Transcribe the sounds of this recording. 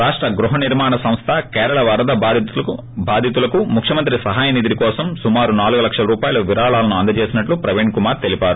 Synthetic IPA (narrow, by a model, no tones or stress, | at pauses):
ɾaːʂʈɾɐɡɾuɦɐniɾmaːɳɐsɐ̃mst̪ʰɐkɛːɾɐɭɐʋɐɾɐd̪ɐ | bʱaːd̪ʱit̪ulɐkumukʰjɐmɐnt̪ɾisɐɦaːjɐnid̪iɾikɔːsɐmsumaːɾunaːluɡulɐkʂɐlɐɾuːpaːjɐlɐʋiɾaːɭaːlɐnuɐnd̪ɐt͡ʃe̞ːsinɐʈlupɾɐʋeːɳkumaːɾt̪elipaːɾu